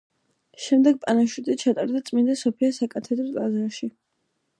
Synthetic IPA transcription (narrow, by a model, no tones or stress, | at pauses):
ʃɛmd̪ɛɡ̚pʼanaʃut̪ʼit͡ʃʰat̪ʼaɾd̪at̪sʼmind̪asɔpʰiasakʼat̪ʰɛd̪ɾɔlʼazaɾʃi